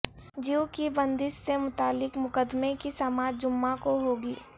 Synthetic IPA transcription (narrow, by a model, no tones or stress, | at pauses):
d͡ʒiwkibə̃nd̪ɪʃsemʊt̪aːlɪkmʊkəd̪mẽkisamaːd͡ʒd͡ʒʊmːakoɦoːɡiː